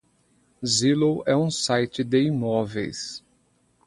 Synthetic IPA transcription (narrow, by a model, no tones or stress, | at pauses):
zilowɛũsajt͡ʃɪd̪eimɔvḛjs